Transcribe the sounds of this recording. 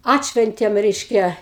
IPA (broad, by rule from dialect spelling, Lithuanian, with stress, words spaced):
ˈɑːtʲʃʲʋʲɛnʲtʲeːm rʲɛɪʃʲˈkʲɛ